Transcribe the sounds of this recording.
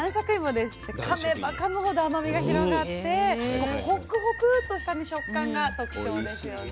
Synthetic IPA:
ãɰ̃ɕakɯ̟ĩmod̪e̞sɨ̥t̪ːe̞kʰamebakanoɦod̪oamabʲiɡaçiɾo̞ɡat̪ːe̞oho̞kɯ̟hokɯ̟t̪o̞ɕi̥t̪aɲ̟iɕo̞kːãŋɡat̪o̞kɯ̟̥t͡ɕo̞ːd̪e̞sɨjo

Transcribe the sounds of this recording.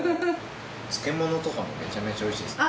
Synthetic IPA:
t͡sɨ̥ke̞mo̞no̞t̪o̞kamo̰me̞̰t͡ɕame̞t͡ɕaoiɕiːd̪es

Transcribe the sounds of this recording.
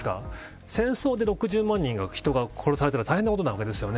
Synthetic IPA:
ka̰ | sẽ̞ɰ̃so̞ːd̪e̞ɾo̞kɯ̟ʑɨːmãɲ̟ːĩŋɡaçi̥t̪o̞ɡakʰo̞ɾo̞saɾe̞t̪eɾat̪aihenːakot̪onaβake̞d̪e̞sɨjo̞ne

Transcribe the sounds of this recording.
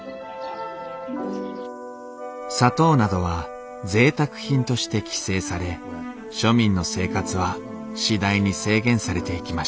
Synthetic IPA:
sat̪o̞ːnad̪o̞βa | d͡ze̞ːt̪akɯ̟̥çĩnt̪o̞ɕi̥t̪e̞kʲi̥se̞ːsaɾe̞ | ɕo̞mʲĩnːo̞se̞ːkat͡sɨβa | ɕid̪aiɲ̟ise̞ːɡẽ̞ɰ̃saɾe̞t̪e̞ikʲimaɕ

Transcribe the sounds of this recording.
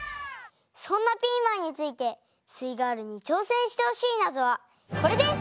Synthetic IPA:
sõ̞nːapʲiːmãɲ̟ːit͡sɨit̪e̞ | sɨiɡaːɾɯ̟ɲ̟it͡ɕo̞ːsẽ̞ɰ̃ɕi̥t̪e̞ho̞ɕiːnazoβa | ko̞ɾe̞d̪e̞s

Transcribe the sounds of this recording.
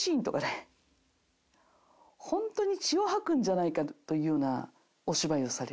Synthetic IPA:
ĩːnt̪o̞kane | hõ̞nt̪o̞ɲ̟it͡ɕioɦakɯ̟̃ɲ̟d͡ʑanaikat̪o̞jɯ̟ːjo̞ːna | o̞ɕibaio̞saɾe

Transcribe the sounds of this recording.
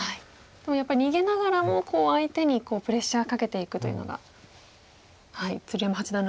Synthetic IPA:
hai | d̪̥e̞mo̞japːaɾʲiɲiɡe̞naɡaɾamo̞ko̞ːait̪e̞ɲ̟iko̞ːpɯ̟ɾe̞ɕːaːkake̞t̪e̞ikɯ̟t̪o̞jɯ̟no̰ɡa̰ | haḭt͡sɨɾijamaɦat͡ɕid̪ãn

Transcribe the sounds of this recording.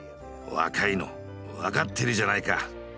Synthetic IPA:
o̰a̰kʰajnɔ̰ | akat̚t̪ʰːiɾid͡ʒanajka

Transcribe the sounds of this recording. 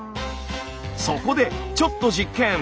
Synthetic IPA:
soko̞d̪e̞t͡ɕo̞t̪ːo̞d͡ʑikːẽ̞

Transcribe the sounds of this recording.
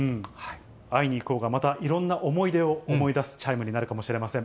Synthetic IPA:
ɯ̃hai | aiɲ̟iːko̞ːɡamat̪aʔiɾõ̞nːaʔo̞mo̞id̪e̞oːmo̞id̪asɨ̥t͡ɕaimɯ̟ɲ̟inaɾɯ̟kamo̞ɕiɾe̞masẽ̞

